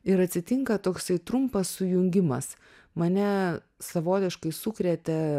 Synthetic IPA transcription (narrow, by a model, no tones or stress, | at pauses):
ɪɾɐt̪ʲsʲɪt̪ʲɪŋkɐt̪oːksɐɪt̪ɾʊmpɐssʊjʊŋʲɡʲɪmɐs | mɐnʲɛ | sɐʋoːt̪ʲɪʃkɐɪsʊkɾʲɛt̪ʲɛ